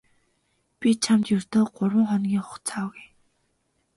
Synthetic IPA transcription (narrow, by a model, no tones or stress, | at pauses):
pʲit͡ɕʰamt̪jɵr̥t̪oːɢʊrwə̆ŋχɔnɡʲiːŋχʊ̥̆χt͡sʰaːwɣuj